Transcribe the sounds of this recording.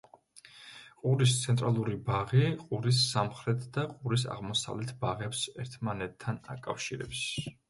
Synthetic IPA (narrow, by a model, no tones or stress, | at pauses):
qʼuɾist̪sʰɛnt̪ʼɾalˠuɾibaʁiqʼuɾisːamχɾɛt̪ʰd̪̥aqʼuɾis̬a̰ʁmɔsa̰vlɛt̪ʰbaʁɛpsɛɾt̪ʰmanɛt̪ʰːana̰kʼafʃiɾɛbis